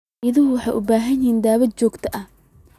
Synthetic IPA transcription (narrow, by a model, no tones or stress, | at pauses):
ɪðɪɦʊwɑħɑjʔʊbaːɦɐnɪhiːnd̪aːβɐd̪̚t͡ʃɔːɡt̪ʰɐʔɐh